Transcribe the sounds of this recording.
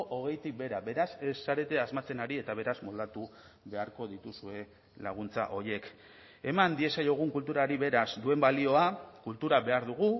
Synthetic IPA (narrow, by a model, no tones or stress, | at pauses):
ʔoɣ̞e̞jt̪ik̚be̞ɾabe̞ɾase̞sːaɾe̞t̪e̞azmat͡se̞naɾie̞t̪aβ̞e̞ɾazmo̞ld̪at̪u | βe̞aɾko̞ðit̪usue̞ | la̰ɣ̞unt͡sa̰ʔo̞je̞k | e̞mand̪ie̞sajo̞ɣ̞uŋkult̪uɾaɾiβe̞ɾazd̪ue̞mbalio̞akult̪uɾaβe̞aɾðuɣ̞u